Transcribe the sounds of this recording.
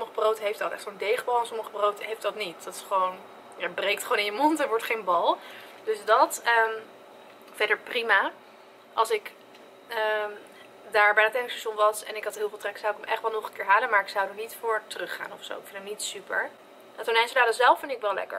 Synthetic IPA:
soməχəbrowtɦejftɑtˠɛ̰χtsondejχəbɑlˠɛnsɔməχəbrowtɦejftdɑtnitdɑtɪ̥sχəʋown | jabrejk̚tχəʋoːnɪ̃jəmɔntɛnʋɔɹtχejnbɑlˠd̥øsdɑtəm | fɛdəɹprima | ʔɑlˠsɪk | ə | daːɹbɛjnatɛnɪŋsɛʃʊnʋɑsɛnɪkɑtɦɪːlˠvɪlˠtrɛksawɪkəmʔɛχtʋɛlˠnɔχənkɪːɹɦaːlənmaːɹɪksawdɔnitfʊːɹtərɵχa̰ːnɔfso̰wɪkfɪndəmnitsypə̰ɹ | atonɛjnsədaːdəzɛlˠfɪndɪkʋɛlˠlɛ̰kə̰ɹ

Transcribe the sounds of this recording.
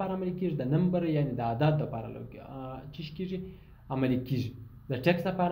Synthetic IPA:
aɾaamalikiʐid̪ənɐmbɐɾjanid̪əad̪ɑd̪̚ːəpaɾa̰la̰wt͡ʃiʃkiʐi | amalikiʐi | d̪əʈeksd̪ɐpaɾ

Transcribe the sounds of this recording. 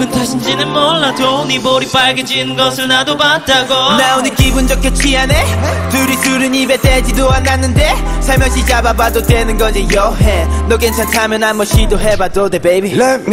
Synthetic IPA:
kɯntʰaɕʰind͡ʑinɯnmʌɭːatoniboɾip͈aɭɡed͡ʑinɯnɡʌsʰɯɭnadobat̚t͈aɡonaonɯkibund͡ʑʌkʰʌt͡ɕʰiɦanetɯɾitɯɾɯɲibeted͡ʑidoanːanːɯndesʰaɭmjʌd͡ʑid͡ʑababadotenɯnɡʌɲijʌɦenoɡent͡ɕʰatʰamjʌnamʌɕidoɦebadodebejbiem

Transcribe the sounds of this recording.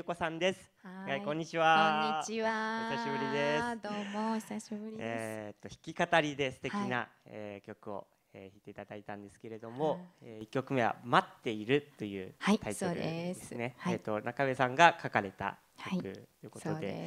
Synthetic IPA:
oko̞sãnd̪e̞sɨ̥ɡaikõ̞ɲ̟ːit͡ɕiβaɲiaçsaɕibɯ̟ɾʲid̪esd̪omosaɕibɯɾʲiet̪ːo̞çi̥kʲikat̪aɾʲid̪e̞sɨ̥t̪e̞kʲinaeːkʲo̞kɯ̟o̰ | eçit̪ːeit̪ad̪ait̪ãnd̪e̞sɨ̥ke̞ɾe̞d̪o̞mo̞eikʲːo̞kɯ̟me̞βa̰mat̪ːe̞iɾɯ̟t̪ːo̞jɯ̟̰ːt̪ʰait̪oɾɯedeɨnet̪ːo̞nakaβe̞sãŋɡakakaɾe̞t̪a̰ | okɯ̟̰t̪ːojɯ̟ko̞t̪o̞d̪e

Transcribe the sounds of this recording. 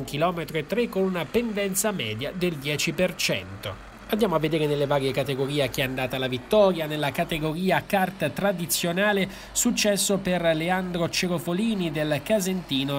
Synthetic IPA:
ŋkilɔːmet̪ɾoet̪ːɾekːonunapend̪ɛnt̪samɛːd̪jad̪eld̪jɛːt͡ʃipert͡ʃɛ̰nt̪o | and̪jaːmoavːed̪eːɾenelːevaːɾjekat̪eɡoɾiːeak̟iɛand̪aːt̪alavit̪ːɔːɾjanelːakat̪eɡoɾiːakart̪t̪ɾad̪it̪sːjonaːle | sut͡ʃːɛsːoperleand̪ɾot͡ʃeɾofoliːnid̪elkazent̪iːno

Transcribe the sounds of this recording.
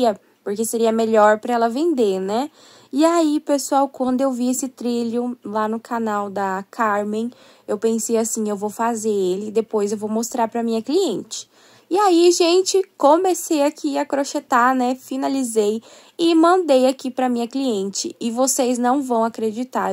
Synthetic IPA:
ɐ | poɾkeseɾiɐmeʎɔɾpɾɐɛlɐvẽnd̪eɾnɛ | iaipesuawkwɐ̃nd̪ʊewviesɪt̪ɾiljʊlanʊkʰanawd̪ɐkʰaɾmẽj̃ | ewpẽsejasĩewvowfazeɾelɪːd̪epojzewvowmost̪ɾaɾpɾɐmĩɲɐkliẽnt͡ʃɪ̥ː | aiʒẽnt͡ʃɪkõmesejakʰiɐkɾoʃet̪anɛfinalizej | ɪmɐ̃nd̪ejakipɾɐmĩɲɐkliẽnt͡ʃɪɪvoseznɐ̃w̃vɐ̃w̃akɾed͡ʒit̪aɾ

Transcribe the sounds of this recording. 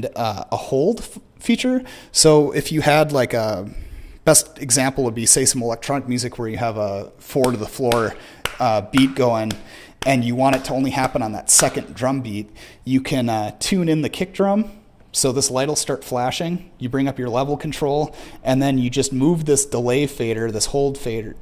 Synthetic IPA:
ʌəhoʊlˠd̥ | fit͡ʃə˞soʊʔɪfjɨɨdˡlaɪkʌ | b̥ɛstɨɡzæ̃mpl̩ˠəbiseɪsʌ̃məlɛk̚tʰɹ̥ɑnɨk̚mjʉzɨkʰwə˞jɨːvə | fɔɹɾɨðəflɔɹ | ʌbit̚ɡ̥oʊɪ̃ŋ | ʔɨ̃njɨwɑ̃ɾ̃ɨtʰəõʊ̃nlihæpə̃nə̃nðə̰tsɛkɨ̃ndɹʌ̃mbit̚jɨkʰɨ̃nʌtʰʉ̃nɨ̃nðɨkʰɪk̚d̥ɹʌ̃m | soʊðɪslaɪɾl̩ˠstɑɹtflæʃɪ̃ŋjɨbɹɪ̃ŋʌpjə˞lɛvl̩ˠkʰn̩tʰɹ̥oʊlˠʔɨ̃nðɨ̃njɨd͡ʒʌst̚muvðɪsd̥əleɪfeɪɾə˞ðɪshoʊlˠd̥feɪɾə˞

